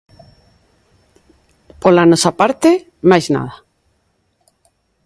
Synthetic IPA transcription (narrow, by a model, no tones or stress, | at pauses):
polanɔsapaɾt̪e | majzna̰ða